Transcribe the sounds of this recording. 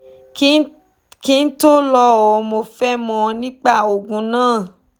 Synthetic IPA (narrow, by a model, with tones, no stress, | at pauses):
ki˦n̩˦to˦lɔ˧o˨˦mo˧fɛ˦mɔ̃˧nĩ˦k͡pa˦˨o˨ɡũ˨˦nãː˦˨